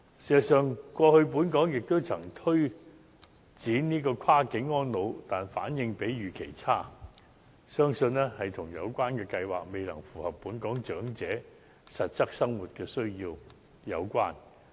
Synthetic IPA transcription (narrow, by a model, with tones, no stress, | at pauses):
si˨˩˨sœː˨ŋkʷwɔː˧hɵ˧ɥp̬uː˨˥nkɔː˨˥ŋjɪ˨k̚t̪o˥wt͡sʰɐ˨˩ŋt̪ʰɵ˥ɥ | t͡siː˨˥nniː˥kɔː˧kʷʰaː˥kɪ˨˥ŋːɔː˥nlo˨˧wt̪aː˨nfaː˨˥njɪ˧ŋpe˨˥jɥyː˨˩kʰe˨˩jt͡sʰaː˥ | sœː˥ŋsɵ˧nɛː˥hɐ˨jt̪ʰʊ˨˩ŋjɐ̰˨˧wkʷaː˥nkɛː˧kɐ˧jwa̰ː˨˩k̚me˨jlɐ̰˨˩ŋfuː˨˩hɐ˨pːuː˨˥nkɔː˨˥ŋt͡ʃœː˨˥ŋt͡sɛː˨˥ | sɐ˨t̚t͡sɐ˥k̚sɐ˥ŋwu˨t̚kɛː˧sɵ˥ɥjiː˧w | jɐ˨˧wkʷwaː˥n